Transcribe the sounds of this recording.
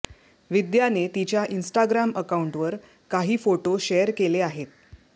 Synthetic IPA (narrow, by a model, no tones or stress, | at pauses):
ʋid̪janet̪it͡ɕjaʔinsʈaɡɾaməkauɳʈʋəɾ | kaɦiːfoʈoɕejəɾkeleaɦet̪̚